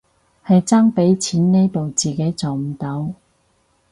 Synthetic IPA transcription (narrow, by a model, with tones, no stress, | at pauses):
hɐ˨jt͡saː˥ŋpe˨˥jt͡sʰiː˨˥nne˥jpo˨wt͡siː˨ke˨˥jt͡so˨wm̩˨˩t̪ɐ˨˥w